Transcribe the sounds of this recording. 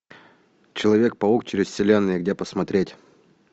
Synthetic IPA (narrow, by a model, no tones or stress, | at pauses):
t͡ɕɪlˠɐvʲe̞k̚pɐukt͡ɕɪɾʲɪsʲsʲɪlʲenːɨjəɡdʲepəsmɐt̪ɾʲetʲ